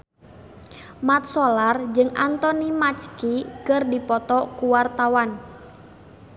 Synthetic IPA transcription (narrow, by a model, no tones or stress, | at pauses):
mat̪̚sɔlard͡ʒɨŋʔant̪ɔnimat͡ʃkikərdipɔt̪ɔkuwart̪awan